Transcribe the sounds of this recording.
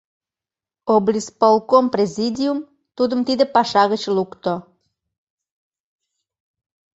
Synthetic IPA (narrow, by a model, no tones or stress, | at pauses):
oblʲispolˠkomprʲezʲid̪ʲium | t̪ud̪əmt̪id̪ə̆pɑʃɑɣət͡ɕlukt̪o